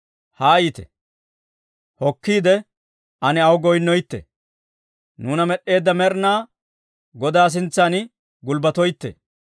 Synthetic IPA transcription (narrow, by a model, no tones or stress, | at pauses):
haːjit̪ɛ̰ | hɔkːiːd̪ɛ | ʔɐnɛɐwɡɔjnːɔjt̪ːɛ̰ | nuːnɐmɛɗːe̞ːd̪ːɐmɛɾnaː | ɡɔd̪aːs̬ɪnt͡sːanɪ | ɡʊlbɐt̪ɔjt̪ːɛ̰